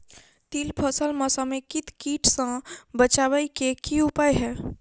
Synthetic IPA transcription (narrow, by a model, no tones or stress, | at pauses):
t̪iːlpʰəsəlməsamẽkɪt̪kiːʈsãbət͡ʃaːʋəikekiʊpaːjɦɛː